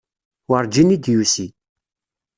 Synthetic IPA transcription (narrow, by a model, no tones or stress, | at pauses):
wəɾˤd͡ʒinid̪jusi